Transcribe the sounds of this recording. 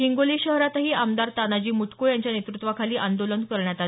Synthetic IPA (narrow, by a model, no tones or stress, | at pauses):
ɦiŋɡoliːɕəɦɾat̪ɦiːamd̪aɾt̪anad͡ʑiːmut̪kojaɲt͡ɕjanet̪ɾut̪ʋakʰaliːʔand̪olənkəɾɳjat̪al